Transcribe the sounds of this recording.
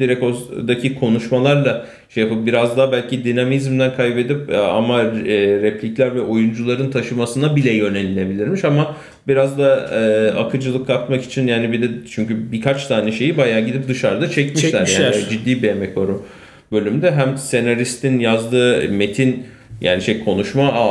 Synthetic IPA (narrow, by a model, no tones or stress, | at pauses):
d̪̥iɾɛcod̪acʰikʰo̞nuʃmalˠaɾlˠa | ʃejapɯp̚biɾazd̪aɦbælʲcʰid̪inamizmd̪ænkʰajbe̞d̪ipa̰maɾɛpʰlʲiclʲæɾvɛʔo̞jund͡ʒulˠaɾɯnt̪ʰaʃɯmasɯnabilʲɛjø̞nelʲine̞bilʲiɾmiʃama | biɾazd̪aɯa̰kʰɯd͡ʒɯlˠɯkʰːat̪maki̥t͡ʃʰinjaːnibid̪ɛt͡ʃʰyɲcybikʰat͡ʃt̪ʰaːnɛʃe̞jibajaːɟid̪ip̚d̪ɯʃaɾd̪at͡ʃʰɛcmiʃʃʲæɾjaːnid͡ʒid̪ːiːbejemɛcvaɾu | bø̞lʲymd̪ɛɦæmse̞naɾist̪ʰinjazd̪ɯːme̞t̪ʰin | ja̰ːniʃejkʰo̞nuʃmaʔ